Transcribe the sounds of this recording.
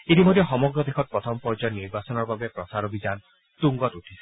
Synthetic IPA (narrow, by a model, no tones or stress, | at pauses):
it̪imod̪ʱjɔxɔmɔɡɾɔd̪ekʰɔt̚pɾɔt̪ʰɔmɔpɔɾd͡ʒɔniɾbasɔnɔɾbabepɾɔsaɾɔbʱid͡ʒan | t̪uŋɡɔtuʈʰi̥se̥